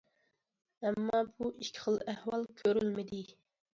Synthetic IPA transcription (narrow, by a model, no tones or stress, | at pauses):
ɛmːɑbuʔiʃkʲʰːɪ̥χəlˠæhwɑlˠkʲʰøɾylmɪd̪ɪ